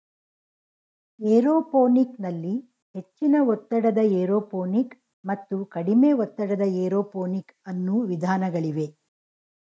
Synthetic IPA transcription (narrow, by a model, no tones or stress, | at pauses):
eːɾoːpoːniknɐlːi | he̞t͡ʃːinɐɔt̪ːɐɽɐd̪ɐeːɾoːpoːnik | mɐt̪ːukɐɽime̞ːɔt̪ːɐɽɐd̪ɐeːɾoːpoːnikɐnːuʋid̪ʱaːnɐɡɐɭiʋe̞